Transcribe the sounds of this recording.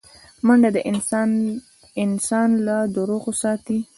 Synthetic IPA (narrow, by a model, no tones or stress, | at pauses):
maɳɖad̪əʔɪ | ɪnsɑnlad̪əɾoɣosɑt̪i